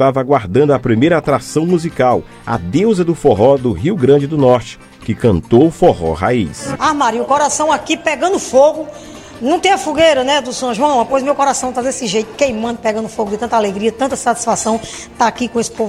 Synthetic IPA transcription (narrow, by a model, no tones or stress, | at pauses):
t̪avɐaɡwaɾd̪ɐ̃nd̪ʊɐpɾimejɾɐat̪ɾasɐ̃w̃muzikaw | ɐ̰d̪ewzɐd̪ʊfoɦɔd̪ʊɦiwɡɾɐ̃d͡ʒɪd̪ʊnɔɾt͡ʃɪ̥ | kɪkɐ̃nt̪owʊfohɔ̰ha̰ḭsamaɾiʊkɔɾasɐ̃w̃akipɛɡɐ̃nd̪ʊfoɡʊ | nɐ̃w̃t̪ẽj̃ɐfuɡejɾɐnɛd̪ʊsõʒuɐ̃w̃ɛpojzmewkɔɾasɐ̃w̃t̪ad̪esɪʒejt̪ʊ̥kejmɐ̃nd̪ʊpɛɡɐ̃nd̪ʊfoɡʊd̪ɪt̪ɐ̃nt̪aleɡɾiɐt̪ɐ̃nt̪ɐsat̪isfasɐ̃w̃ | t̪aːkikõesɪ̥pov